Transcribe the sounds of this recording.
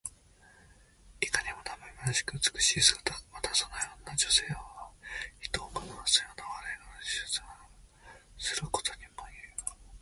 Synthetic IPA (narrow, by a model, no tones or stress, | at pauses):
ikaɲʲimo̞t̪amemiɾaɕi̥kɯ̟ɯt͡sɨ̥kɯ̟̥ɕiːsɨɡat̪amat̪asonojoːnːad͡ʑo̞se̞ːoçi̥t̪oːkanasɨjoːnaβaɾainonod͡ʑi̥sɨ̥t͡sɨɡa | sɨɾɯ̟ko̥t̪o̞ɲʲimoji